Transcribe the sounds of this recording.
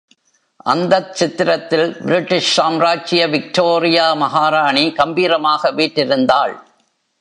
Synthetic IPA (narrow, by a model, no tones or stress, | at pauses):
ʔɐnd̪ɐt͡ʃːɪt̪ːɪɾɐt̪ːɪlbɪɾɪʈːɪʂsaːmɾaːt͡ʃɪjɐʋɪk̚ʈoːɾɪjaːmɐɦaːɾaːɳikɐmbiːɾɐmaːɣɐʋiːʈːɪɾɯnd̪aːɭ